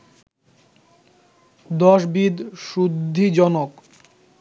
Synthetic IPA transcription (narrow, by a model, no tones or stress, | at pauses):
d̪ɔʃbid̪ʃud̪ʱːid͡ʑɔnok